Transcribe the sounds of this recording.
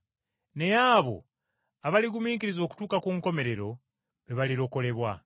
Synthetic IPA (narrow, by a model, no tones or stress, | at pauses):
nejaβo̞̰ | aβaliɡumiːkiɾizo̞ːku̥tuːkakuŋko̞me̞ɾe̞ɾo̞ | βeβaliɾo̞ko̞le̞βwa